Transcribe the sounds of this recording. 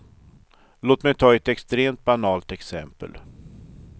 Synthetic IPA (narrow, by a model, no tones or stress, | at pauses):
loːt̪mɛjt̪ʰɑːɛt̪ɛkst̪ɾeːmt̪̚banɑːlt̪ɛksɛmpə̰l